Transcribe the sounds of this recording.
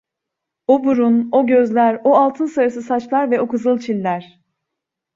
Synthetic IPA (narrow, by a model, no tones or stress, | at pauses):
obuɾuno̞ɟøzlʲæɾo̞alˠt̪ʰɯnsaɾɯsɯsat͡ʃlˠaɾvɛokɯzɯlˠt͡ʃʰilʲːæɾ̥